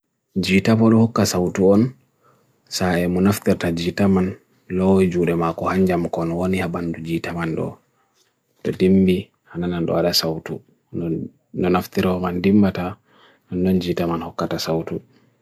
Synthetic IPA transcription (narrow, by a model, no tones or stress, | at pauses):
d͡ʒitapɔɗɔhɔkːasawtuɔn | saɛmɔnaft̪iɾtad͡ʒitaman | lɔwd͡ʒuɗɛmakɔhaɲd͡ʒamkɔnwonihabandud͡ʒitamanɗɔ̰ | tɔdimbi | hanananɗɔ̰aɗasawtṵ | nɔnaftiɾamandimbata | nɔndɔnd͡ʒiːtamanhɔkːatasawtu